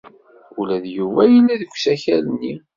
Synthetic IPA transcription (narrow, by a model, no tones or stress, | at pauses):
ulæðjuvæjəlːæðəɡʷsæçælənːi